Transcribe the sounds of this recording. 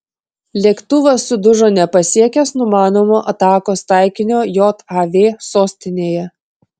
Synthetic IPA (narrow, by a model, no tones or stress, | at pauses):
lʲiɛkt̪ʊʋɐsʊd̪ʊʒoːnʲɛpɐsʲiɛkʲɛsnʊmɑːnoːmoːʔɐt̪ɑːkoːst̪ɑˑɪkʲɪnʲoːjoːt̪ɑʋʲeːsoːsʲt̪ʲɪnʲeːjɛ